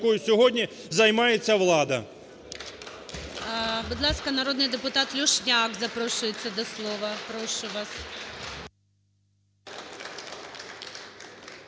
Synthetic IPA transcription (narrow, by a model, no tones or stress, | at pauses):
kɔjʊsʲɔɦɔdʲnʲi | zɐjmɑjet͡sʲːɐʋlˠɑd̪ɐ | bʊd̪lˠɑskɐnɐɾɔd̪nɪjd̪epʊt̪ɑt̪lʲʊʃnʲɑkzɐpɾɔʃʊjet͡sʲːɐd̪ɔslˠɔʋɐpɾɔʃʊʋɑs